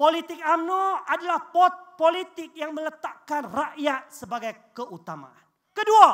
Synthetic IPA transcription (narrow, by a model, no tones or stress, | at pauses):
polit̪ɪk̚amnuadalahpɔt̪̚polit̪ɪk̚jaŋmə̃lət̪aʔkanraʔjat̪̚səbaɡajkəʔut̪ama̰ʔan | kədua